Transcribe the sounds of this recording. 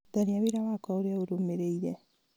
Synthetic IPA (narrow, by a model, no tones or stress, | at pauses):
daɾiaβeɾaβakaoɾeaoɾomeɾeiɾɛ